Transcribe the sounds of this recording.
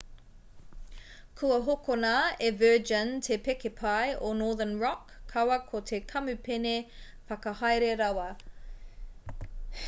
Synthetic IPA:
kʰuɐɦokonaːevɜːd͡ʒəntʰepekepʰajonɔːðənɹɔkʰːɐwɐkʰot̪ʰekʰɐmʉpʰene | fɐkɐhɐjɾeɾɐwɐ

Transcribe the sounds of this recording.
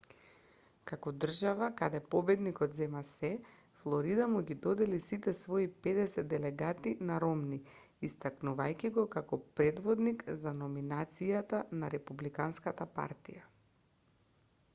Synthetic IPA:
kakɔd̪r̩ʒavakad̪ɛpɔbɛd̪nikɔt̪zɛmasɛ | flˠɔɾid̪amuɡʲid̪ɔd̪ɛlisit̪ɛsvɔipɛd̪ɛsɛd̪ɛlɛɡat̪inaɾɔmni | ist̪aknuvajkʲiɡɔkakɔpɾɛd̪vɔd̪nikzanɔminat̪sijat̪anaɾɛpublikanskat̪apa̰ɾt̪ija

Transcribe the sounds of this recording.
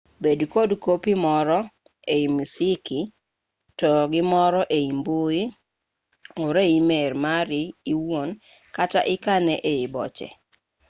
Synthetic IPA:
bedkodkopimɔɾɔ | eimisɪki | tɔɡɪmɔɾɔʔeimboi | oɾeimermaɾɪiwon | kata̰ʔɪkanɛʔeibɔ̰t͡ʃɛ̰

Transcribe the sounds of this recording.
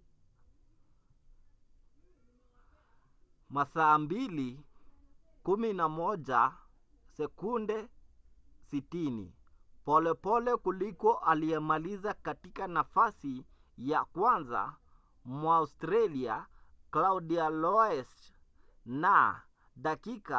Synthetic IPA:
masaːmbili | kuminamɔd͡ʒa | sɛkundɛ | sitinḭ | pɔlɛpɔlɛkulikɔʔaliɛmalizakatikanafasi | jakwanza̰ | mwaaustɾalia̰klaudialɔɛs | na | dakika̰

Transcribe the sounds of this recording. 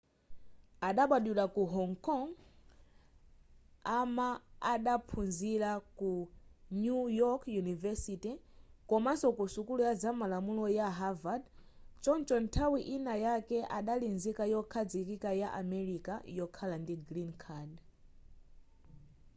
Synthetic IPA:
aɗaɓaɗulakuɦɔŋkɔŋ | amaaɗapʰunzilakunujɔkjunivɛsitikɔmasɔkusukulujad͡zamalamulɔjaɦavad | t͡ʃɔnt͡ʃɔntʰawiʔinajakɛʔaɗalinzikajɔkʰad͡zikikajaʔamɛɾikajɔkʰalandiɡɾinkʰad

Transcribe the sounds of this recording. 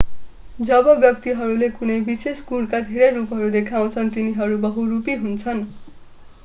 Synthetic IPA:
d͡zʌbʌbjʌk̚t̪iɦʌɾulekunʌjbiseskuɽkad̪ʱeɾʌjɾupɦʌɾud̪ekʰaw̃t͡sʰʌnt̪iniɦʌɾubʌɦurupiɦunt͡sʰʌn

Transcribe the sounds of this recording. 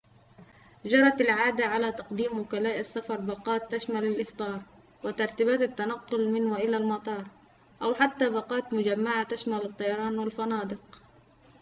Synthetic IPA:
d͡ʒɑɾˤɑt̪ɪlʕaːd̪aʕalat̪ɑqd̪iːmwʊkalaːʔɪsːafɑɾˤbɑqɑːt̪ːaʃmalalʔɪft̪ˤɑːɾˤ | wɪt̪ɑɾˤt̪iːbaːt̪ɪt̪ːanɑqːʊlmɪnwaʔɪlalmɑt̪ˤɑːɾˤ | ʔawħat̪ːabɑqɑːt̪mʊd͡ʒamːaʕat̪aʃmalɨt̪ˤːɑjɑɾˤɑːnwɪlfɑnɑːd̪ɨq

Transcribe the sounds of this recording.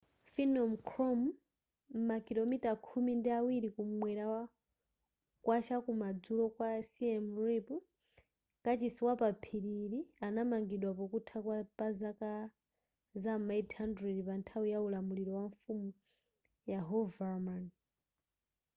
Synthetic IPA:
finɔmkʰɾɔmː | akilɔmitakʰumindiawiɾikumwɛɾa | kwʔat͡ʃakumad͡zulɔkwasiɛmripu | kat͡ʃisiwapapʰiɾiɾianamaŋɡiɗwapɔkutʰakwapazaka | zamaithandɾɛdipantʰawijaulamuɾiɾɔwaɱfumu | jaɦɔvaman

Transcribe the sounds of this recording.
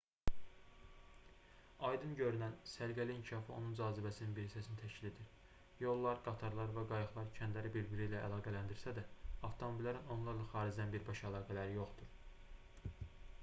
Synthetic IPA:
ɑjd̪ɯnɟø̞ɾynænsæɾɡæliincʰiʃɑːfio̞̰nund͡ʒɑːzibæsininbiɾisæsinit̪ʰæʃcilid̪iɾ | jo̞lˠːɑɾɡ̥ɑt̪ʰɑɾlˠɑɾvæɡɑjɯχlˠɑɾcʰænd̪læɾibiɾbiɾijlæʔæ̰lˠɑːɡælænd̪iɾsæd̪æɑft̪ʰo̞mo̞bilːæɾino̞nlˠɑɾlˠɑxɑːɾid͡ʒd̪ænbiɾbɑʃælˠɑːɡælæɾijo̞χd̪uɾ

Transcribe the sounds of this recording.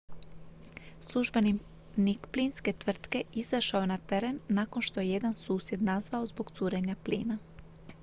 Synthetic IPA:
slˠuʒbe̞ni | nikplinske̞t̪ʋr̩t̪ke̞izaʃaojenat̪e̞ɾe̞nːako̞nʃt̪o̞jeje̞d̪ansuːsje̞d̪nazʋao̞zbo̞ɡt̪suːɾe̞ɲaplḭːna

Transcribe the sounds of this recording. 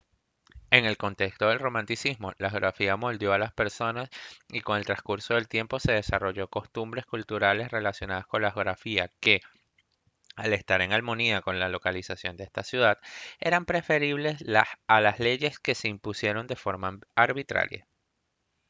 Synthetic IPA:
e̞ŋe̞lko̞nt̪e̞kst̪o̞ðe̞lro̞mãnt̪isizmo̞laxo̞ɾafiamo̞ld̪jo̞alaspe̞ɾso̞nasiko̞ŋe̞lt̪ɾaskuɾso̞ðe̞lt̪je̞mpo̞se̞ð̞e̞saro̞ʝo̞ko̞st̪umbɾe̞skult̪uɾale̞sre̞lasjo̞naðasko̞nlaxoɾafiake̞ | ale̞st̪aɾe̞ŋalmo̞niako̞nlalo̞kalisasjo̞nd̪ee̞st̪asjuðaðe̞̰ɾampɾe̞fe̞ɾiβle̞slaalasle̞ʝe̞ske̞se̞impusje̞ɾo̞nd̪e̞fo̞ɾmaaɾβit̪ɾa̰ɾja̰

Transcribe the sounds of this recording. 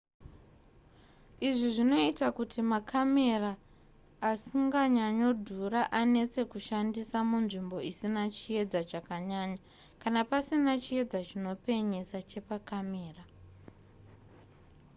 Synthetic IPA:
iʐiʐino̞itakutʰimakʰame̞raː | siŋɡaɲaɲo̞dʱuraʔane̞t͡se̞kuʃandisamunʐimbo̞isinat͡ʃie̞d͡zat͡ʃakaɲaɲa | kanapasinat͡ʃie̞d͡zat͡ʃino̞pe̞ɲe̞sat͡ʃe̞pakame̞ːra

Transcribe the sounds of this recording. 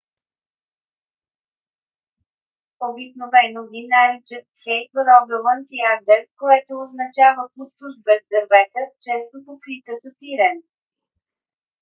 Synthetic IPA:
obiknovɛnovʲinaɾit͡ʃət̪xɛjt̪əɾɔb̪ɛlˠənt̪iaɾd̪ɛɾkoɛt̪oːznɐt͡ʃavəpust̪ʊʃbɛzd̪əɾvɛt̪ət͡ʃɛst̪opofkɾit̪əsəpiɾɛn

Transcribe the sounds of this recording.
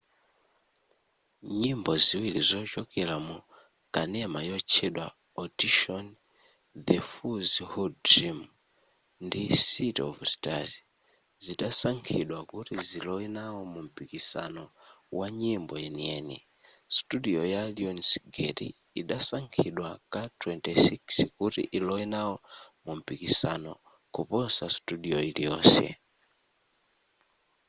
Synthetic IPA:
ɲimbɔziwilizɔt͡ʃɔkɛɾamu | kʼanɛmajɔt͡ʃʰɛɗwa | ɔdiʃɔn | ðɛfuzhɔdɾim | ndisitɔ̰vstazi̥ | ziɗasaŋkʰiɗwakutizilɔinawɔmum̩pikisa̰nɔ | waɲimbɔjɛniɛnḭ | stuɗiɔjaliɔnsɡɛtḭ | iɗasaŋkʰiɗwakatwɛntɛsikskutḭʔilɔwinawɔmum̩pikisanɔ | kupɔsastuɗiɔilijɔːsɛ̰

